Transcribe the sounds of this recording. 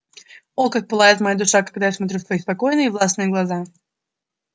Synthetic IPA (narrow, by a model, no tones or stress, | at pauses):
olˠkak̪̚pɨlˠajɪt̪mɐjad̪ʊʂakɐɡd̪ajasmɐt̪ɾʲut̪svɐjispɐko̞jnɨjəvlˠasnɨjəɡlˠɐza